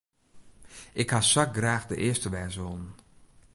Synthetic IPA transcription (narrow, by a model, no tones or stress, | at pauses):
ʔɪkhasak̚ɡraːxdəʔɪːəstəʋɛːzʋolˠn